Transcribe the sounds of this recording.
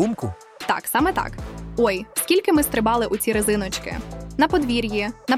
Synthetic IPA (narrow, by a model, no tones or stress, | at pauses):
umkʊ | t̪ɑ̰ksɑmɛt̪ɑ̰kɔjskʲilʲkɪmɪst̪ɾɪbɑlˠɪʔʊt͡sʲiɾɪzɪnɔt͡ʃkɪ̰nɐpɔd̪ʋʲiɾʲjinɐ